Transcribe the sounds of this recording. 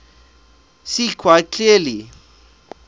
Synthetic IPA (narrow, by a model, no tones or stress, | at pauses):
sikʰwaɪkʰlili